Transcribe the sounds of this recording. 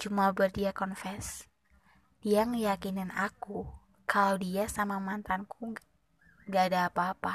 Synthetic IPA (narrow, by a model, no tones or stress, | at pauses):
t͡ʃumabərdiakɔnfɛs | d̥iaŋəjakinɪnaku | kalowdiasamamant̪anku | ŋɡaːdaːpaːpa